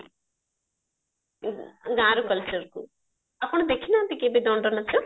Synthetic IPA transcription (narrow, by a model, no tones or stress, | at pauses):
ɡãːɾukɐlt͡ʃɐɾku | ɐpuɳ̃ud̪ekʰːinaːnt̪ikeːbid̪ɔɳɖɐnɐtːu